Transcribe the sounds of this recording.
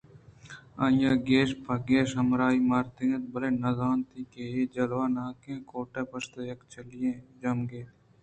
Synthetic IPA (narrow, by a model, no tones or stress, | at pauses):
ãːjãːɡeːʃpʰɐɡeːʃəmɾaːiːmaːɾt̪eːnt̪̚bəleːnɐzaːnt̪iːkeːeːd͡ʒɐlʋaːnaːkẽːkoːʈẽːpəst̪eːjɐkt͡ʃəlɪjẽːd͡ʒɐmɡeː